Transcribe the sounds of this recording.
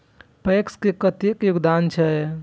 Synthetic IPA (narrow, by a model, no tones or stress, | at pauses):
pekskekət̪ekjuɡd̪ant͡ʃʰɛ